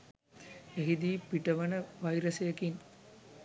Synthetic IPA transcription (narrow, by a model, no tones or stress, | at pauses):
eɦid̪iːpiʈɐʋɐnɐʋɐjɾɐsɐjɐkin